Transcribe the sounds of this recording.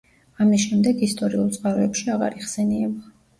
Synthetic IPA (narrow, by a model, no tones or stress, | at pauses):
amisʃɛmd̪ɛɡist̪ʼɔɾiulˠt̪sʼqʼaɾɔɛpʃiaʁa̰ɾiχsɛniɛba